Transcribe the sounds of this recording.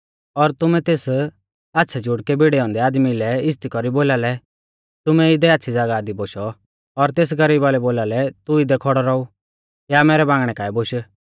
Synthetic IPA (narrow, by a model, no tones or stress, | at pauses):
ɔɾt̪ʊmɛ̃t̪eːs | atːʃʰɛd͡ʒʱʊɽkɛbiɽɛɔ̃ːnd̪ɛaːd̪milɛɪs̬t̪ikɔɾiboːlaːlɛ | t̪ʊmɛ̃ɪd̪ɛaːtːsʰid͡zaɡaːd̪iboːʃɔ | ɔɾt̪eːs̬ɡɐɾiːbalɛboːlaːlɛt̪uɪd̪ɛkʰɔɽɔɾɔu | jamɛːɾɛbãːŋɡɽ̃ɛkaːiboʃə